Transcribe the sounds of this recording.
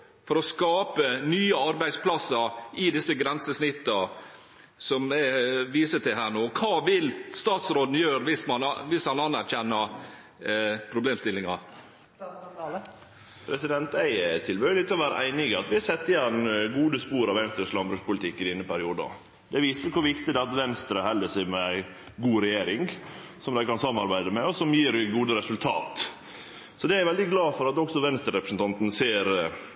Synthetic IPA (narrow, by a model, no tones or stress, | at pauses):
fɔɾɔskɑːpənyːəɑɾbæɪd̪spʰlɑsɑʔɪd̪ɪsːəɡɾɛnsəsnɪt̪ːə | sɔmɛʋiːsət̪ʰɪlɦæːɳoːkʰɑːʋɪlst̪ɑːt̪sɾoːd̪n̩jøːɾʋɪsmɑnʋɪshɑnɑnæɾçɛnːɑ | pʰɾʊbleːmst̪ɪlːɪŋɑ | pʰɾɛsɪd̪ɛnt̪æɪt̪ʰɪlbøːlɪt̪ʰːɛɔʋæːɾə̰ʔæɪnɪɡəɑt̪ʋɪhɑsɛt̪ːɪjɛnːɡuːd̪əspuːɾɑʋɛnst̪ɾəslɑmbɾʉspʊlɪt̪ɪkːɪd̪ɪnːɾəpæɾɪuːd̪əɑ̰ | d̪̥ɛʋiːsəkʰʊɾʋɪkt̪ɪd̪ɛɑt̪ʋɛnst̪ɾəɦɛlːəsɛmɛæɪ | ɡuːɾɛjeːɾɪŋ | sɔmd̪æɪkɑnsɑmːɑɾbæɪd̪əmɛɔsɔmjiːɾɡuːd̪əɾɛsʉlt̪ʰɑ̰ːt̪ | sɔd̪ɛæɾʋɛld̪ɪɡlɑːfɔɾɑt̪ɔksɔʋɛnst̪əɾɛpɾəsən̩t̪ɑnt̪n̩seːɾ